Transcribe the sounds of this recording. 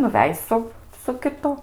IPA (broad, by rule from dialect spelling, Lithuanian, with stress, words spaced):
nʊˈʋʲɛj sʊ sʊ kʲɪˈtʊ